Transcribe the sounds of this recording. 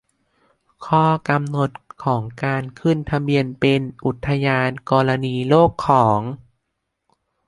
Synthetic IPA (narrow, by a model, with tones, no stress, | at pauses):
kʰɔː˧˥˩ka˧mno˨˩t̪̚kʰɔː˩˦ŋkaː˧nkʰɯ˥˩nt̪ʰa˧mbi˧ənpe˧nʔu˨˩t̪ʰːa˧jaː˧nkɔː˧la˧niː˧loː˥˩kʰːɔː˩˦ŋ